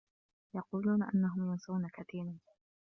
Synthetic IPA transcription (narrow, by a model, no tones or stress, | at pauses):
jɑquːluːnaʔa̰nːaɦʊmjʊnsˤɑwnakat̪iːɾan